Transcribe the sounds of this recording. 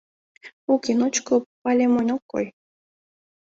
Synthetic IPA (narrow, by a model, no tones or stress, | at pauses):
ukinut͡ɕkopalʲemonʲokːo̰j